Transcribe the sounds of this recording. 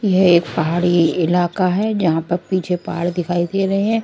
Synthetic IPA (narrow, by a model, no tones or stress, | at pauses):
jeeːk̚pɐɦaːɽiɪlaːkaɦɛd͡ʒɐɦãpɐɾpiːt͡ʃʰepaɦaɽd̪ɪkʰaːid̪eɾɐɦeɦɛ̃ː